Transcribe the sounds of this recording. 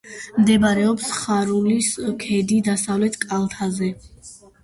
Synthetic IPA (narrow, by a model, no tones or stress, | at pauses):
md̪ɛbaɾɛɔpsχaɾuliskʰɛd̪id̪asavlɛt̪ʰkʼalˠt̪ʰazɛ